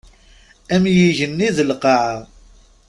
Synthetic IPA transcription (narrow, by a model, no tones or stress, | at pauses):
æmjiʝənːiðəlqɑʕa